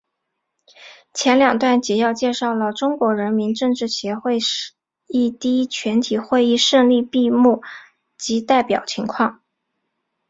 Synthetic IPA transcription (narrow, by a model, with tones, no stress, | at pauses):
t͡ɕʰjɛ˧˥nljɑ˨˩ŋt̪wa˥˩nt͡ɕi˧˥jɑ˥˧ʊt͡ɕjɛ˥˧ʂɑ˥˩ʊlə˩ʈ͡ʂʊ˥ŋkwɔ˧˥ɻə˧˥nmi˧˥nʈ͡ʂɤ˥˧ŋʈ͡ʂɻ̩˥˩ɕjɛ˧˥xwe˥˧ɪʂ | i˥˩t̪i˥i˥t͡ɕʰɥɛ˧˥nt̪ʰi˨˩xwe˥˧ɪi˥˧ʂɤ˥˧ŋli˥˧pi˥˧mu˥˩ | t͡ɕi˧˥t̪a˥˩ɪpjɑ˨˩ʊt͡ɕʰi˧˥ŋkʰwɑ˥˩ŋ